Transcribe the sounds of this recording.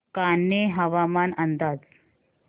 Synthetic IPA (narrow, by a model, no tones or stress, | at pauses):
kanːeɦəʋamanənd̪ad͡z